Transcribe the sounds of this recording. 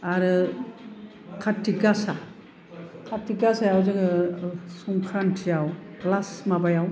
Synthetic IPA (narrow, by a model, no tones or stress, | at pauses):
aɾɯ | kʰatʰiɡasa | kʰatʰiɡasajawzɯɡɯsuŋkʰantʰijawplasmabajaw